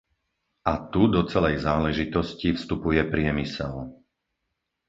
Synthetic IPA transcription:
ʔat̪ud̪ɔt͡sɛlɛjzaːlɛʒit̪ɔscifst̪upujɛpɾɪɛmisɛl

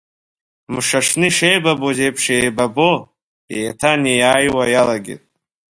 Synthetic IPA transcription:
mɨʂaʂnɨiʂejbabozejpʰʂejbabo | ejatʰanijaːjwajalaɡʲɪ̰tʼ

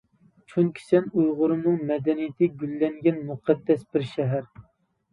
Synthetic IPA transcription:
t͡ʃʰunkʲʰi̥sɛnujʁʊɾɨmɨŋmɛd̪ɛnijɪt̪ʰɪɡʲylːɛŋɡʲɛnmuqʰɛd̪ːɛsbɪɾʃɛɦæɾ

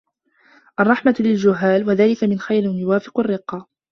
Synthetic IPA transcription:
ʔɑrˤːɑħmalɪld͡ʒʊɦːaːlwaðaːlɪkamɪnxajɾɪnjʊwaːfɪ̥qarːɪqːɑ

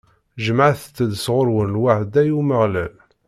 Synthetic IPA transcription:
ʒəməʕθt͡sːəd̪sʁʊɾwənlwaʕd̪æjuməʁlæl

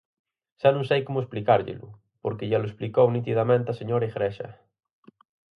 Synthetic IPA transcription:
ʃanũŋsejkomoesplikaɾʎḛlʊ̰ | poɾkeʝaloesplikownit̪̬iðamẽnt̪aseɲoɾaiɣɾeʃa̰

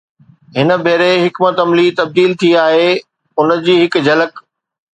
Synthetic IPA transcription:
ɦɪnə̆bʱeːɾeɦɪkmət̪ɐmlit̪ɐb̚d̪iːlt̪ʰiaːɦe | ʊnəd͡ʑiːɦɪk̆d͡ʑɐlək

